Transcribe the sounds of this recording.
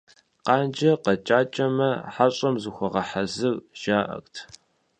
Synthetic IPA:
qɑːnd͡ʒɐqɐt͡ʃʼaːt͡ʃʼɐmɐħaɕʼɐmzuxʷɔʁɐħazɨrʒ̥aːʔɐ̰xtʰ

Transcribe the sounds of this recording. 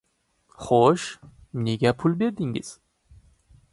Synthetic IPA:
χoʃ | ne̞ɡʲapʰʊlˠbe̞ɾd̪ɪŋɪ̰z̥

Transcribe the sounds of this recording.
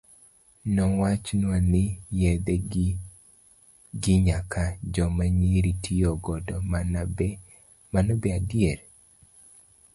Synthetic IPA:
nɔwat͡ʃnwanɪjɛd̪ɛ | ɡɪɲakʰad͡ʒɔmaɲiɾitʰijɔɡɔdɔmanabɛ | manɔbɛadieɾ

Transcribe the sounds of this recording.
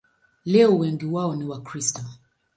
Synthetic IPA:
lɛɔwɛŋɡiwaɔniwakɾistɔ

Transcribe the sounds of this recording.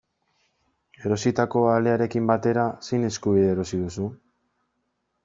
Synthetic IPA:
e̞ɾo̞sit̪ako̞aleaɾe̞kimbat̪e̞ɾasejne̞skuβiðeɾo̞siðusu

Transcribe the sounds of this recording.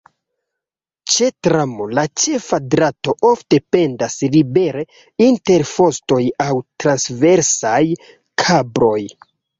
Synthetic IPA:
t͡ʃe̞tɾamolat͡ʃe̞fadɾato̞ʔo̞fte̞pe̞ndaslibe̞ɾe̞ | inte̞ɾfo̞sto̞jawtɾansve̞ɾsaj | kʰabɾo̞j

